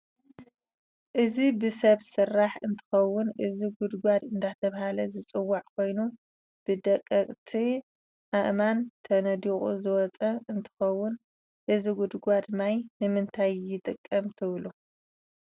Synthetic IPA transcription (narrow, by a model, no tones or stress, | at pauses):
ʔɨzibɨsɐβsɨrːaħɨnt̪ʰɨ̥xɐwːʊnʔɨziɡʊd̪ɡʷad̪ɨnd̪at̪ʰɐβahalɐzɨt͡sʼɨwːaʕkʰo̞jnu | b̥ɨd̪ɐkʼːɐkʼt̪ʰi | ʔaʔmant̪ʰɐnɐd̪iχʼuzɨwɔt͡sʼɐɨnt̪ʰɨ̥xɐwːʊn | ʔɨziɡʊd̪ɡʷad̪majnɨmɨnt̪ʰajːɪt̪ʼɨkʼːɐmt̪ʰɨβlu